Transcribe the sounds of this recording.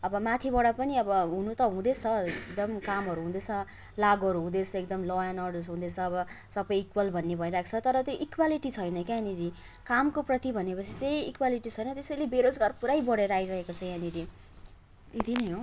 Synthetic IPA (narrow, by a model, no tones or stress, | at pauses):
ʌbʌmat̪ʰibʌɽʌpʌniʌbʌɦũnut̪ʌɦũd̪et͡sʰʌekd̪ʌmkamɦʌɾuɦũd̪et͡sʰʌ | laɡʌɾuɦũd̪et͡sʰʌek̚d̪ʌmlɔjanʌɽd͡zosɦũd̪et͡sʰʌːβʌ | sʌbʌjːkwʌlbʱʌnːebʱʌiɾakt͡sʰʌt̪ʌɾʌt̪joʔikwaliʈit͡sʰʌjnʌkeɦaniɾi | kamkoprʌt̪ibʱʌnepʌt͡sʰi̥t͡sejikwaliʈit͡sʰʌjnʌt̪esʌjlebeɾod͡zɡarpuɾajbʌɽeɾʌajɾʌɦekot͡sʰʌjɦãniɾi | t̪it̪ʰinʌjɦo